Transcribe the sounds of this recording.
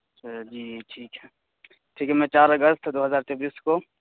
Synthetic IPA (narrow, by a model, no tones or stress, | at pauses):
d͡ʒiːʈʰiːkɦɛː | ʈʰiːkɦɛmɛ̃t͡ʃaːɾɐɡəst̪ʰd̪oːɦəzaːɾt͡ʃɔbiːsko